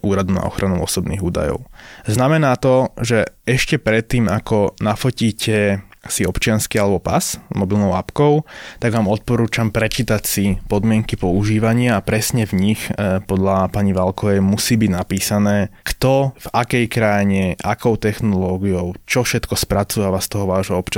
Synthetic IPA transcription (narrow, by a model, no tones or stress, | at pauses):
ʔuːɾad̪una̰ɔ̰xɾanuʊɔsɔbnḭːɣuːd̪a̰jɔ̰ʊznamɛnaːt̪ɔʒɛɛʃcɛpɾɛt̪ːiːmakɔnafɔciːcɛ | siɔpt͡ʃɪanskialɛbɔpa̰smɔbilnɔʊapkɔʊt̪aɡʋaːmɔt̪̚pɔɾuːt͡ʃampɾɛt͡ʃit̪acsipɔd̪mɪɛŋkipɔuʒiːʋaɲɪaapɾɛsɲɛvɲixpɔd̪ʎapaɲiʋalkɔʋɛjmusiːbiɟnapiːsanɛːkt̪ɔvakɛjkɾajɲɛʔa̰kɔʊt̪ɛxnɔlɔːɡiɔʊt͡ʃɔfʃɛt̪kɔspɾat͡suaʋast̪ɔɦɔʋaːʒɦɔɔpt͡ʃa